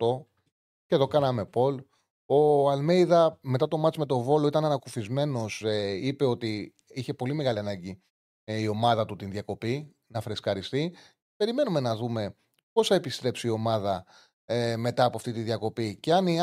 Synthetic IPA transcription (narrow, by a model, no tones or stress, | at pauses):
t̪o̞ | ce̞ðo̞kɐnɐme̞po̞l | oɐlme̞jðɐme̞t̪ɐt̪o̞mɐt͡simet̪o̞vo̞lo̞it̪ɐnɐnɐkufizme̞no̞seipe̞o̞t̪i | içe̞po̞lime̞ɣɐliɐnɐɲɟi | io̞mɐðɐt̪ut̪inðjɐko̞pi | nɐfɾeskɐɾist̪i | pe̞ɾime̞nume̞nɐðume̞ | po̞sθɐepist̪ɾe̞psiːo̞mɐðɐ | me̞t̪ɐːpoɐft̪it̪inðjɐko̞piceɐni